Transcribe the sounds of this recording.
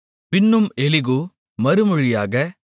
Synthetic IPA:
pɪnːɯmɛlɪɣo | mɐɾɯmɔɻɪjaːɣɐ

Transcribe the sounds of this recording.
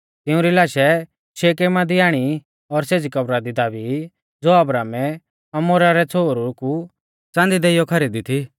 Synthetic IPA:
t̪ɪũɾilaːʃɛ | ʃeːk̬eːmad̪iaːɽ̃i | ɔɾseːd͡zikɐbɾad̪id̪aːbi | d͡zoːɐbɾaːmɛ | ɐmoːɾaɾɛt͡sʰoːɾuku | t͡sãːnd̪id̪eːɪjɔkʰɐɾiːd̪it̪ʰi

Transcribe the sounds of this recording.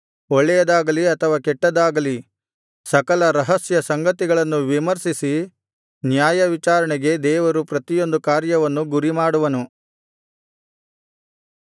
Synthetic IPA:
ɔɭːɛjɐd̪aːɡɐliɐt̪ʰɐʋaːkɛʈːɐd̪aːɡɐli | sɐkɐlɐɾɐɦɐsjɐsɐŋɡɐt̪iɡɐɭɐnːuʋimɐɾsisi | njaːjɐʋit͡ʃaːɾɐɳɛɡe̞d̪ɛːʋɐɾupɾɐt̪ijo̞nd̪ukaːɾjɐʋɐnːuɡuɾimaːɽuʋɐnu

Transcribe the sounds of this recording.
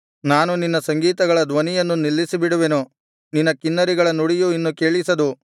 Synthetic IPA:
naːnuninːɐsɐŋɡiːt̪ɐɡɐɭɐd̪ʋɐnijɐnːunilːisibiɽuʋe̞nu | ninːɐkinːɐɾiɡɐɭɐnuɽijuinːukeːɭisɐd̪u

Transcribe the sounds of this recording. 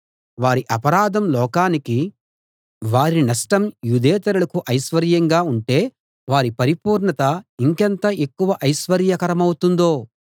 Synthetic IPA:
ʋaːɾiʔɐpɐɾaːd̪ʱɐmlɔːkaːniki | ʋaːɾinɐsʈɐmjud̪eːt̪ɐɾulɐkuʔɐjʃʋɐɾjɐŋɡaːuɳʈe̞ː | ʋaːɾipɐɾipuːɾɳɐt̪ɐiŋkɐnt̪ɐːe̞kːuʋɐʔɐjʃʋɐɾjɐkɐɾɐmɐwut̪und̪o̞ː

